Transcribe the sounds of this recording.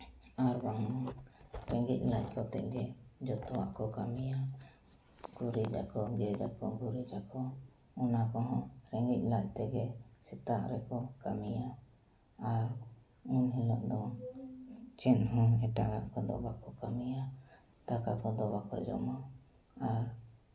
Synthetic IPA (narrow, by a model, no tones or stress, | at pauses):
aɾbaŋɔɾɛŋɡic̚ˀlac̚kɔt̪ɛ̰ʔɡɛd͡ʒɔt̪ɔwaʔkɔkamija | ɡ̥uɾid͡ʒa̰kɔɡɛd͡ʒakɔɡuɾid͡ʒakɔ | ɔnakɔɦɔ̃ɾɛŋɡic̚ˀlac̚t̪ɛɡɛsɛt̪aʔɾɛkɔkamija | aɾ | inɦilɔʔd̪ɔ | t͡ʃɛnɦɔ̃ɛʈaɡa̰ʔkɔd̪ɔ̰bakɔkamija | t̪akakɔd̪ɔbakɔ̰d͡ʒɔ̰ma | aɾ